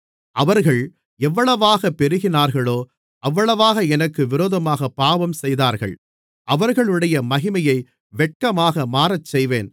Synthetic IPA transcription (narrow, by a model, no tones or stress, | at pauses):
ʔɐʋɐɾɣɐɭ | ɛʋːɐɭɐʋaːɣɐpːɛɾɯɣɪnaːɾɣɐɭoː | ʔɐʋːɐɭɐʋaːɣɐɛnɐkːɯʋɪɾoːðɐmaːɣɐpːaːʋɐmsɛjðaːɾɣɐ̰ɭ | ʔɐʋɐɾɣɐɭɯɽɐjɐmɐɣɪmɐjɐɪ | ʋɛʈ̚kɐmaːɣɐmaːɾɐt͡ʃːɛjʋeːn